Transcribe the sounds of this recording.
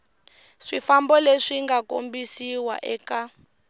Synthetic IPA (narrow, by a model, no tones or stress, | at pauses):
ʂifambɔleʂiŋɡakombisiwa̰ʔɛka